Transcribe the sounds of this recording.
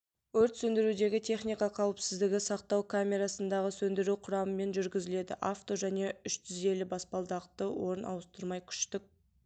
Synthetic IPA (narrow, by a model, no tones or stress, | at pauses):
wɵɾt̪sɵnd̪ɪɾud̪e̞ɡʲɪt̪ʰe̞χnijkɑqʰɑwəpsɪzd̪ɪɡʲɪsɑqt̪ɑwkʰamʲe̞ɾɑsənd̪ɑʁəsɵnd̪ɪɾuqʰʊɾɑməme̞nʒʏɾɡʲɪzɪle̞d̪ɪ̰ʔaft̪o̞ʒæne̞ʏʃt̪ʰʏze̞lɪbɑspɑlˠd̪ɑq̚t̪əwo̞ɾənʔɑ̰wəst̪əɾmɑjkʲʰʏ̥ʃt̪ɪk̚